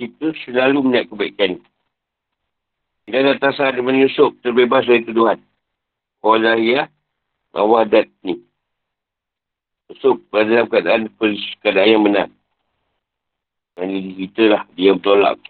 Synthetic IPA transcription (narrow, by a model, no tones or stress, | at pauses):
kit̪əsəlaluməɲaʔkəbaiʔkani | idadat̪asadəmanusʊk̚t̪ərbebas̬dait̪uduɦan | kolahia | ŋʔa̰wadat̪̚ni | usʊk̚əadalamkadaʔanpəlskadajaməna̰ŋ | anidikit̪əlahdiabət̪ola̰ʔ̚